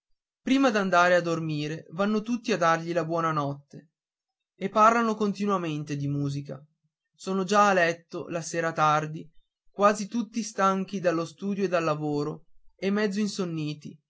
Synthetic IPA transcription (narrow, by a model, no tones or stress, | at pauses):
pɾiːmad̪and̪aːɾead̪ːormiːɾevanːot̪ut̪ːiad̪ːarʎilabwɔːnanɔt̪ːe | epːarlanokont̪inwament̪ed̪imuːzika̰ | soːnod͡ʒaːlɛt̪ːolaseːɾat̪ard̪i | kwaːzit̪ut̪ːist̪aŋk̟id̪alːost̪uːd̪joed̪alːavoːɾoemːɛd̪zːoinsonːiːt̪i